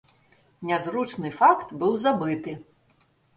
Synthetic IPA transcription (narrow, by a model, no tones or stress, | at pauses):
nʲɛzɾut͡ʂnɨfakt̪bɨwzabɨt̪ɨ